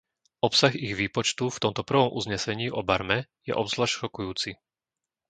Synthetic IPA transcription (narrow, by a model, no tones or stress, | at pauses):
ɔpsaɣiɣʋiːpɔt͡ʃt̪uft̪ɔmt̪ɔpr̩ʋɔmʔṵzɲɛsɛɲiːʔɔbaɾmɛjɛ̰ʔɔbzlaʃɾɔkujuːt͡si